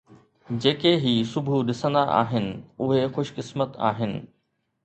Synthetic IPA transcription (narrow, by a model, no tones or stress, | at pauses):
d͡ʑeːkeɦisʊbʱuɗɪsə̃nd̪aʔa̰ːɦɪnɪ̆ʊɦexʊʃkɪsmət̪a̰ːɦɪnɪ̰̆